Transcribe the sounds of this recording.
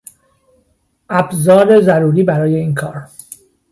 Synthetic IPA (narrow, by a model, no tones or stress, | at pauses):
ʔæbzɒːɾe̞zæɾuːɾiːbæɾɒːje̞iːnkʰɒːɾ